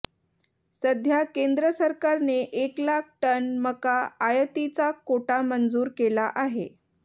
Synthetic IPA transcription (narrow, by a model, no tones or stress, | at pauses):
səd̪ʱjakend̪ɾəsəɾkaɾneʔeklak̚ʰʈənməkaːjət̪it͡sakoʈamənd͡zuːɾkelaʔaɦe